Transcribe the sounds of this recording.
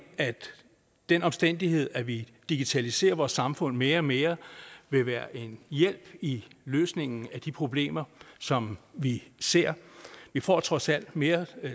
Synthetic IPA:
æd̥ | d̥enɒ̽msd̥en̰d̥iɦe̝ð̞̰ˠæʋid̥iɡ̥it͡sʰælise̝̰ːɐʋɒːsːɑ̈mfɔ̽n̰me̝ːɐɒme̝ːɐʋe̝ʋæːɐʔe̝njel̰b̥iløːsne̝ŋ̰n̩æd̥ipʰʁo̝b̥le̝̰ːmɐsɒ̽mʋise̝ɐ̰ʋifɒ̰ːt͡sʰʁɒ̽sæl̰d̥me̝ːɐ

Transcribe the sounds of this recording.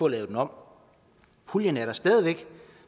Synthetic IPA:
ɔ̽lɛːʊd̥enɒ̽m̰ | pʰuljənæɐɾ̥ɐsd̥ɛːðˠiʋeɡ̥

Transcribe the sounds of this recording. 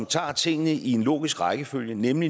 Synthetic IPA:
ŋt͡sʰɑ̰̈ːt͡sʰe̝ŋ̰ənəʔie̝nlo̝̰ːɡ̥isɡ̥ʁɑ̈ɪɡ̥əføljənemli

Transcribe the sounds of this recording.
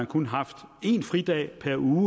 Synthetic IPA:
ænkʰunəɦɑ̈fd̥e̝nfʁid̥ɛ̰ːpʰæɐuː

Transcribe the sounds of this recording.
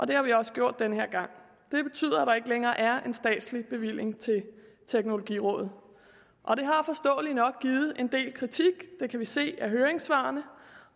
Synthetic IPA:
ʔɒ̽d̥e̝hɑ̈ʋiɒ̽sə̥ɡ̥jo̝ɐ̰d̥̚ːenəɦeɐ̰ɡ̥ɑ̈ŋ̰ | d̥e̝b̥e̝t͡sʰy̰ːð̰ˠɐæɾ̥ɑ̈e̝ɡ̥əleŋɐːʔæɐe̝nsd̥ɛ̰ːd̥slib̥e̝ʋil̰je̝ŋt͡sʰe̝l | t͡sʰeɡ̥no̝lo̝ɡ̥ḭːʁɔ̽ːðð̩ˠ | ʔɒ̽ɾ̥e̝ɦɑ̈fɒ̽sd̥ɔ̰̽ːlinɒ̽ɡ̥̚ɡ̥iːð̞̩ˠʔe̝nd̥e̝̰ːlkʰʁit͡sʰiɡ̥d̥e̝kʰæʋise̝̰ːæɦøːɐeŋsʋɑ̈ːnə

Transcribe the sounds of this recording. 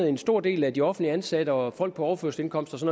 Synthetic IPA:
ð̩ˠe̝nsd̥o̝ɐ̰d̥e̝̰ːlæd̥iɒ̽fnd̥liəænsæɾ̥əɒ̽fɒ̽l̰ɡ̥̚pʰɒ̽ɒʊɐføɐsl̥e̝nkʰɒ̽m̰sd̥ɒ̽sɒ̽n

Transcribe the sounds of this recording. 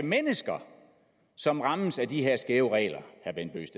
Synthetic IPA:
əmenəsɡ̥ɐ | sɒ̽mʁɑ̈məsæd̥iɦe̝ɐ̰sɡ̥eːʊʁɛ̰ːlɐhæɐb̥enb̥ø̰ːsd̥

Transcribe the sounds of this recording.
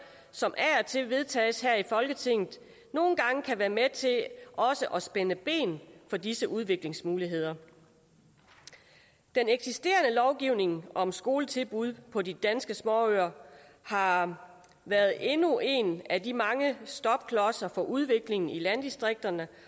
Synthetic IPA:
sɒ̽mʔæɒt͡sʰe̝ʋe̝ð̞ˠt͡sʰɛ̰ːsɦæɐ̰ifɒ̽lɡ̥ət͡sʰe̝ŋ̰ð̩ˠ | no̝ːn̩ɡ̥ɑ̈ŋəkʰæʋæːɐmet͡sʰe̝ʔɒ̽səʔɒ̽sb̥enəb̥e̝̰ːnfɒ̽disəʔuð̞ˠʋe̝ɡ̥le̝ŋsmuːliɦe̝ð̰ˠɐ | d̥eneɡ̥sisd̥e̝̰ːɐnəlɒʊɡ̥iʊne̝ŋʔɒ̽msɡ̥o̝ːlət͡sʰe̝lb̥uð̞ˠpʰɒ̽did̥ænsɡ̥əsmɒ̰ːøɐ | hɑ̈ | ʋæɐð̞̩ˠe̝nuʔe̝nædimɑ̈ŋəsd̥ɒb̥̚kʰlɒsɐfɒ̽ʔuð̞ˠʋe̝ɡ̥le̝ŋn̩ilænd̥isd̥ʁeɡ̥̚d̥ɐnə

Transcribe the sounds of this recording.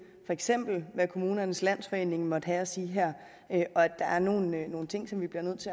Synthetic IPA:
fɒ̽eɡ̥sem̰b̥l̩ʋækʰo̝muːnɐnəslæn̰sfɒ̽e̝̰ːne̝ŋ̩mɒ̽d̥ɦæɒsiːɦæɐ̰ | øʔɒ̽æd̥ɑ̈æɐno̝ːn̩nːo̝ːn̩t͡sʰe̝ŋ̰sɒ̽mʋib̥liɐnøð̰ˠt͡sʰe̝

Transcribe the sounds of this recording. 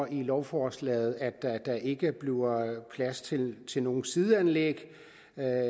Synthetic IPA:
ilɒʊfɒslɛ̰ːð̞̩ˠæ̥d̥æd̥ɑ̈ʔe̝ɡ̥əb̥lipʰlæst͡sʰe̝t͡sʰe̝lno̝ːn̩siðˠænleɡ̥

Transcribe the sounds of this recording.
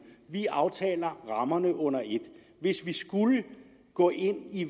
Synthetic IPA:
ʋiɑ̈ʊt͡sʰɛ̰ːlɐʁɑ̈mɐnəʔɔ̽n̰ɐe̝d̥ | ʋe̝sʋisɡ̥ulə | ɡ̥ɔ̰̽ːʔe̝n̰i

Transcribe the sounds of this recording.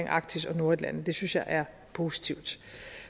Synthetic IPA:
eŋʔɑ̈ɡ̥̚d̥isɒ̽no̝ɐed̥læn̰ð̩ˠd̥e̝synsjɑ̈ɪʔæɐ | pʰo̝ːsi̥t͡sʰiʊd̥

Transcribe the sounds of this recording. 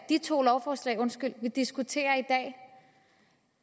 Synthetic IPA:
d̥it͡sʰo̝̰ːlɒʊfɒːslɛ̰ɪɔ̽nsɡ̥yl̰ʋid̥isɡ̥ut͡sʰe̝̰ːɐid̥ɛ̰ː

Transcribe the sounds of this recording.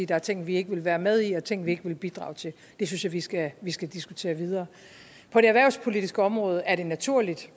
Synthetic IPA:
ḭːd̥ɑ̈æɐt͡sʰe̝ŋ̰n̩ʋie̝ɡ̥əʋe̝lʋæːɐmeð̞ˠiɒ̽t͡sʰe̝ŋ̰n̩ʋie̝ɡ̥əʋe̝lb̥id̥ʁɑ̰̈ːʊt͡sʰe̝l | d̥e̝synsjaʋisɡ̥æʋisɡ̥æd̥isɡ̥ut͡sʰe̝̰ːɐʋið̞ˠɐː | pʰɒ̽d̥e̝æʋæɐʊspʰo̝lid̥isɡ̥əɒ̽mʁɔ̽ːð̞ˠəæɐɾ̥e̝næt͡sʰuɐ̰lid̥

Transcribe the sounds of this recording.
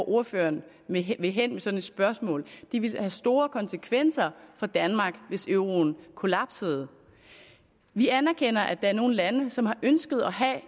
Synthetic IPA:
ʔo̝ɐfø̰ɐn | eʋe̝ɦen̰mesɒ̽dn̩e̝d̥sb̥ɶɐsmɔ̰̽ːld̥iʋe̝lhæsd̥o̝ːɐkʰɒ̽nsəkʰʋen̰sɐfɒ̽d̥ænmɑ̈ːɡ̥ʋe̝søʊʁo̝n̩kʰo̝læ̈b̥sḛːð̩ˠ | ʋiænæɐkʰen̰ɐʔæd̥ɑ̈æɐno̝ːn̩lænəsɒ̽mhɑ̈ʔønsɡ̥ð̞̩ˠɒɦæ

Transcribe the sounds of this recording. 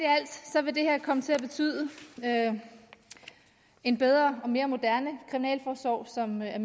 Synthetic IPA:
eæl̰d̥sɒ̽ʋe̝d̥e̝heɐ̰kʰɒ̽mət͡sʰe̝læb̥e̝t͡sʰy̰ːðˠəø | e̝nb̥eð̞ˠʁɐːɒ̽me̝ːɐmo̝d̥æɐnəkʰʁiminɛ̰ːlfɒːsʋɒʊ̰sɒ̽mæɐ

